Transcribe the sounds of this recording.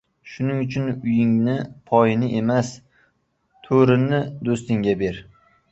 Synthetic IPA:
ʃʊnɪŋʊt͡ʃʰʊnʊjɪŋnɪpʰɒjɪnɪʔe̞mas | t̪ʰoɾɪnɪd̪ost̪ɪŋɡʲabe̞ɾ

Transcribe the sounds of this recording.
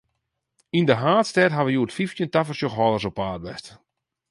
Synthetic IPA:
indəɦaːtstɛtɦaʋəjuːtfiftjəntafərsjɔxɦɔlˠərs̬ɔpaːdʋɛst

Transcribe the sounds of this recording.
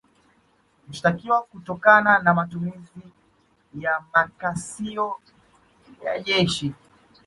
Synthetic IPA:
nuʃtakiwakutɔkananamatumizi | jamakasiɔ | ja̰ʄɛʃi

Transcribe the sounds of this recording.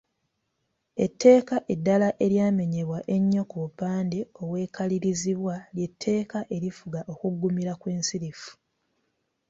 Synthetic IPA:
e̞tʰːe̞ːkaʔe̞dːalaʔe̞ɾjaːme̞ɲe̞βwaʔe̞ɲːo̞kuβupaːndeo̞βwe̞ːkaliɾiziβwalje̞tʰːe̞ːkaʔe̞ɾifuɡaʔo̞kuɡːumiɾakwe̞ːnsiɾifu̥

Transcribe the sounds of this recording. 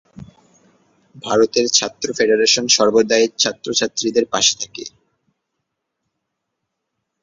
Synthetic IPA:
bʱaɾot̪eɾt͡ɕʰat̪ːɾofeɖeɾeʃonʃɔɾbod̪aet͡ɕʰat̪ːɾot͡ɕʰat̪ːɾid̪eɾpaʃe̥t̪ʰakḛ

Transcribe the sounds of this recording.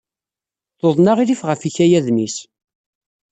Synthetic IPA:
θoðˤnaʁilifʁəfiçæjæðnis

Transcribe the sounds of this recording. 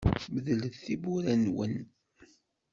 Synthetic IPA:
məðələθθibuɾænwə̰n

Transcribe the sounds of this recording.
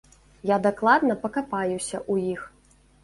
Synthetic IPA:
jad̪aklˠad̪nɐpɐkapajusʲɐʔujix

